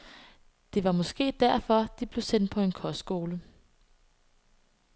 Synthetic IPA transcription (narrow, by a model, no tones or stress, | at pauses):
d̥e̝ʋɑ̈mɒ̽sɡ̥e̝̰ːd̥æɐ̰fɒ̽d̥ib̥le̝ʊsen̰d̥̚pʰɒ̽e̝nkʰɒssɡ̥o̝ːlə